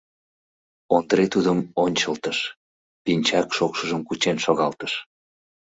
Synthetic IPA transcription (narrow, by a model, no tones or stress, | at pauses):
ond̪əɾet̪ud̪əmonʲt͡ɕəlt̪əʃ | pinʲt͡ɕɑkʃokʃəʒəmkut͡ɕenʃoɣɑlt̪əʃ